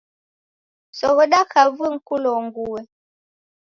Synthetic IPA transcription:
sɔɣəɗakavɨŋ̩kulɔŋɡuwe

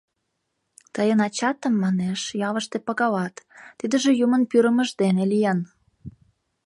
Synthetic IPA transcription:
t̪əjənɑt͡ɕɑt̪əmːɑneʃjɑləʃt̪epɑɣɑlɑt̪ːid̪əʒĕjumənpyɾəməʒd̪enelijɑn

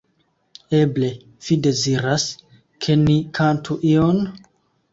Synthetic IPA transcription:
e̞ble̞ | v̥ide̞ziɾas | kʰe̞nikʰantʰuʔion

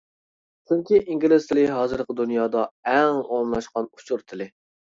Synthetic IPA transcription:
t͡ʃʰyŋkʲiʔiŋɡʲilɪzt̪ʰɪlɪɦɑːzɨɾqʰəd̪unjɑːd̪ɑɛŋomlˠɑʃqɑnut͡ʃʰuɾt̪ʰɪlɪ

